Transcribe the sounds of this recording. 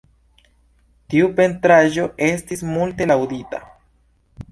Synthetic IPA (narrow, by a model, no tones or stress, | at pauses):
t̪iupe̞nt̪ɾaʒo̞ʔe̞stismulte̞lawd̪ita̰